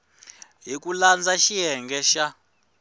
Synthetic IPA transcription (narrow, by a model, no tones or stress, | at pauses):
ɦikuland͡zaʃiɦɛŋɡɛʃa